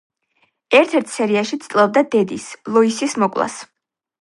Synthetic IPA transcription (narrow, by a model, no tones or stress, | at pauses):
ɛɾt̪ʰɛɾt̪ʰsɛɾiaʃit̪sʼt̪ʼlˠɛb̚d̪ad̪ɛd̪islˠɔisismɔkʼlˠa̰s